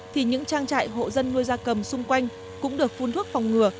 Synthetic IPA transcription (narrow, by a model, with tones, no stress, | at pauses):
t̪ʰi˨˩ɲɨ̰˧˥ŋt͡ɕaː˧ŋt͡ɕa̰ː˧˨jɦo̰˧˨zə˧nːu˧əjzaː˧kə˨˩msʊ˧ŋ͡mkwa˧jŋ̟ | kʊ̰˧˥ŋ͡mɗɨ˨˩ək̚fu˧nt̪ʰu˦˥ət̚fa˨˩wŋ͡mŋɨ˨˩ə